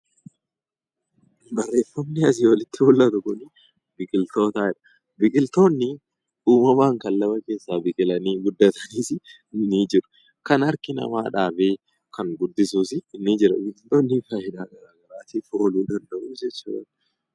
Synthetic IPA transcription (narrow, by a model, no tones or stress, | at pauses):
bɐrːe̞ːfɐmnɪɐs̬ɪwɐlɪt̪ːɪhʊlːɐt̪ʊkʊnɪ | bɪkʼɪlt̪o̞ːt̪aːɛᶑɐ̥ | bɪkʼɪlt̪o̞ːnːɪ | uːmɐmaːŋkɐlːɐbɐke̞ːsːaːbɪkʼɪlɐniːɡʊd̪ːɐt̪ɐ̥niːsɪ | nːiːd͡ʒɪɾʊ̥ | kɐnɐɾkɪnɐ̰maːᶑaːbe̞ː | kɐŋɡʊd̪ːɪsuːsɪːnːɪd͡ʒɪɾɐbɪkʼɪlt̪o̞ːnːɪfaːjɪd̪aːɡɐɾaːɡɐɾaːt̪iːfoːluːd̪ɐnd̪ɐʔuːd͡ʒɛt͡ʃːṵːᶑɐ̰ᶑ